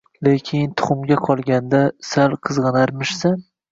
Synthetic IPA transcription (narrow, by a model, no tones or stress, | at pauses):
lekʲʰɪnt̪ʰʊ̥χʊmɡʲaqʰɒlˠɡʲand̪asalˠqʰɨzʁɨnaɾmɪʃsan